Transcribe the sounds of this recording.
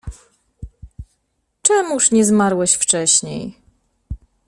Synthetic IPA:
t͡ʂɛmuʂɲɛzmaɾwɛɕft͡ʂɛɕɲḛj

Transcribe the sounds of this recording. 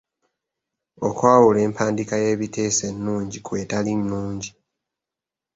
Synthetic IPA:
o̞kwaːwule̞ːmpʰaːndikaje̞ːβitʰe̞ːse̞nːuːɲɟikwe̞ːtalinːuːɲɟi

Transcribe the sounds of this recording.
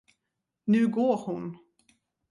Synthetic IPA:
nʉ̟ːɡoːɾhʊn

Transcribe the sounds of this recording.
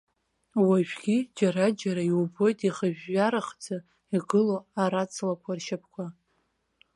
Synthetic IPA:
waʒᶣʷɡʲid͡ʒaɾad͡ʒaɾaiwbo̞jtʼiχəʒᶣːaɾaχd͡za | iɡɨloaɾat͡sʰlakʷʰarʃapʰkʷʰa

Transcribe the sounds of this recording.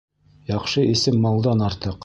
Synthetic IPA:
jɑχʃɤʔisɘmːɑlˠd̪ɑnɑɾt̪ɤq

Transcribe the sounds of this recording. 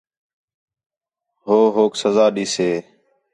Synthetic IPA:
ɦoːɦoːksəzaːɗiːseː

